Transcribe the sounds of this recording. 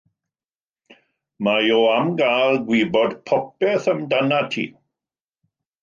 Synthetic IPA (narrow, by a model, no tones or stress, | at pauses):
majoamɡaːlˠɡwiːbɔdpʰɔpɛθəmdanatʰḭː